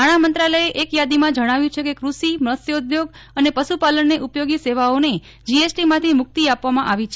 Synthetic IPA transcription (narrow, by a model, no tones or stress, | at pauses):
aɽ̃amənt̪ɾaləeʔekjad̪imãd͡ʒəɽ̃aʋjũt͡ʃʰekekɾuʃimɾəsjoud̪joɡ | ənepəʃupaləɳːeʔupjoɡiseʋaone | d͡ʒiesʈimãt̪ʰimʊk̚t̪iapʋamãʔaʋit͡ʃʰe